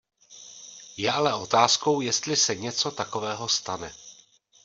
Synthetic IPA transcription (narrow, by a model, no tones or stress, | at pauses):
jɛʔalɛʔo̞t̪aːsko̞wjɛst̪lɪsɛɲɛt͡so̞t̪ako̞vɛːɦo̞st̪anɛ